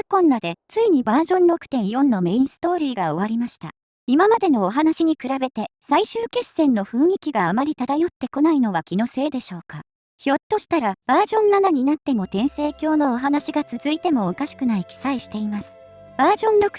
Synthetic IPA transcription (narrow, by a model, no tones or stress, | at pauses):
kõ̞nːad̪e̞t͡sɨiɲ̟ibaːʑõ̞nɾo̞kɯ̟̥t̪ẽ̞ɰ̃jõ̞nːo̞me̞ĩɰ̃sɨ̥t̪o̞ːɾʲiːɡao̞β̞aɾʲimaɕi̥t̪a̰ | imamad̪e̞no̞ːɦanaɕiɲ̟ikɯ̟ɾabe̞t̪e̞saiɕɨːke̞sːẽ̞nːo̞ɸɯ̟̃ɰ̃ikʲiɡaːmaɾʲit̪ad̪ajo̞t̪ːe̞ko̞naino̞β̞akʲino̞se̞ːd̪e̞ɕo̞ːka | ço̞t̪ːo̞ɕi̥t̪aɾab̥aːʑõ̞nːanaɲ̟inat̪ːe̞mo̞t̪ẽ̞ɰ̃se̞ːkʲo̞ːno̞ːɦanaɕiɡat͡sɨzɨit̪e̞mo̞ːkaɕi̥kɯ̟naikʲi̥saiɕi̥t̪e̞imasɨ̥ | b̥aːʑõ̞nɾo̞k